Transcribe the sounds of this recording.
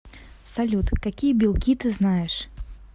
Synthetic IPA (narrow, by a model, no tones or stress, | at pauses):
sɐlʲut̪kɐkʲijəbʲɪlˠkʲit̪ɨznajɪʂ